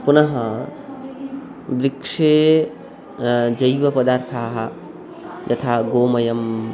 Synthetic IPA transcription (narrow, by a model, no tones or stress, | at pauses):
punɐɦɐ̃ | bɾikʂe | d͡ʒɐjʋɐpɐd̪aːɾt̪ʰaɦa | d͡ʒɐt̪ʰaɡomɐjɐm